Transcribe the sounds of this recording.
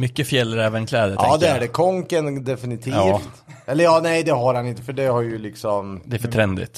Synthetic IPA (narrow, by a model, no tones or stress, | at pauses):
mʏkːəfjɛlːəɾɛːvənkʰlɛːd̪ətʔʰɑːd̪ɛæɖɛkʰɔŋkənd̪ɛfɪnɪt̪ʰiːfft̪ʔɛlːəɾjɑːnɛjd̪ɛɦaɾhanɪnt̪əfœɖɛhaɾjɵlɪksɔmd̪ɛæɾfœʈʰɾɛnd̪ɪ̰t̪